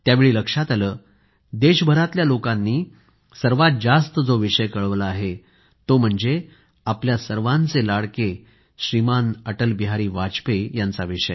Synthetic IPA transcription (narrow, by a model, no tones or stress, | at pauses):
t̪jaʋeɭiːləkʂat̪aləː | d̪eɕbʱəɾat̪ljalokãnːiː | səɾʋat̪̚d͡zast̪əd͡zoʋiʂəjkəɭʋləaɦe | t̪om̤əɳd͡ze | apljasəɾʋant͡selaɽke | ɕɾimanəʈəlbiɦaɾiːʋat͡spejant͡saʋiʂəj